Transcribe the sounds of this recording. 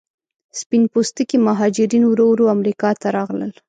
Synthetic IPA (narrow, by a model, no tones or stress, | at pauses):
spinpost̪ikimaɦɑd͡ʒɪɾinwɾowɾoamɾikɑt̪aɾɑɣlə̰l